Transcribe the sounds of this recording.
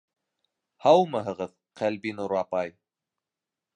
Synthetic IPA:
hɑwmɤɦɤ̆ʁɤð | qælbinuɾɑpɑj

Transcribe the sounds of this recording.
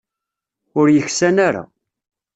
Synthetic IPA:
ʊɾjəçsænaɾa̰

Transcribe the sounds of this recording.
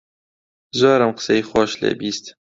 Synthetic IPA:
zoːɾɐmqə̥sejxwɑːʃlḛbiːst̪

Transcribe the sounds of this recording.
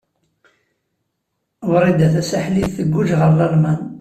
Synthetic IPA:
wɾˤːid̪æθæsæħliðθəɡʷːuʒʁəɾlælmæn

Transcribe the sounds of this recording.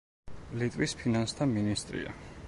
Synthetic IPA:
lit̪ʼvwispʰinanst̪ʰaminist̪ʼɾḭa̰

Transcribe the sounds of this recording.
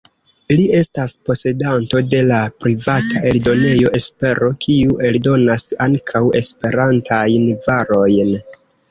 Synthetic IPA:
lie̞staspo̞se̞danto̞de̞lapɾivataʔe̞ldo̞ne̞jo̞ʔe̞spe̞ɾo̞kʰiuʔe̞ldo̞nasaŋkʰawe̞̰spe̞ɾantʰajnvaɾo̞jn

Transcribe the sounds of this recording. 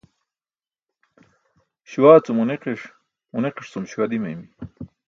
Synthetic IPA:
ɕwaːt͡sumuneqiʂ | muneqiʂt͡sumɕwad̪imɐ̰jmi

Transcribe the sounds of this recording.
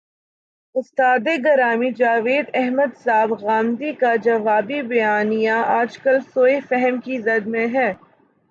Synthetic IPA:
ʊst̪aːd̪eɡɐɾaːmid͡ʒaːʋeːd̪ɛɦməd̪saːbɣaːmd̪ikad͡ʒɐʋaːbibɐjaːnijaaːd͡ʒkəlsoːefɛɦəmkizɐd̪mẽɦɛː

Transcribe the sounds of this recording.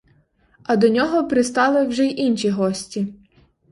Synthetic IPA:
ɐd̪ɔnʲɔɦɔpɾɪst̪ɑlˠɪwʒɛʔinʲʃiɦɔsʲtʲi

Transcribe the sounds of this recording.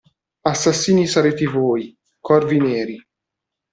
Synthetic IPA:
asːasːiːnisaɾeːt̪evoːj | kʰɔrvineːɾi

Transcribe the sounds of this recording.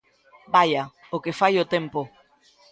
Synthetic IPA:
baja | okefajʊt̪empo

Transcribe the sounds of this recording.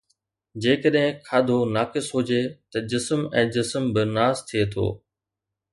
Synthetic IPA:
d͡ʑeːkəɗɦɪ̃kʰaːd̪ʱonaːkɪsɦʊd͡ʑet̪ɐd͡ʑɪsmɛ̃ːd͡ʑɪsmbɪnaːzt̪ʰiet̪ʰo̰ː

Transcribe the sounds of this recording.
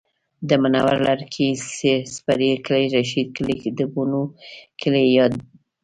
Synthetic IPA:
d̪əmana̰wa̰ɾlaɾkʰisespaɾikəlajɾaʃid̪̚klid̪əbunukʰəlejɑd̪

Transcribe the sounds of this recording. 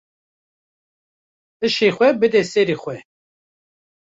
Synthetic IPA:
t̪ɨʃexʷɛbɨd̪ɛsɛɾiːxʷɛ

